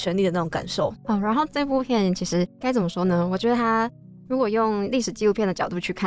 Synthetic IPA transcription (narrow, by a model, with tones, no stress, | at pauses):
t͡ɕʰɥɛ˧˥nli˥˩ə˩na˥˩ʊ˧˥ŋka̰˨˩nʂo˥˩ʊɔ˥˩ɻa˧˥nxo˥˧ʊʈ͡ʂə˥˧ɪ˧pu˥˧pʰjɛ˥˩nt͡ɕʰi˧˥ʂɻ̩˧˥ka˥ɪt͡sə˨˩mə˦ʂwɔ˥nə˧wɔ˨˩t͡ɕɥɛ˧˥d̪ə˧t̪ʰa˥ | ɻu˧˥kwɔ˨˩jʊ˥˧ŋli˥˩ʂɻ̩˨˩t͡ɕi˥˧lu˥pʰjɛ˥˩nd̪ə˩t͡ɕjɑ˨˩ʊt̪u˥˧t͡ɕʰy˥˧kʰa˥˨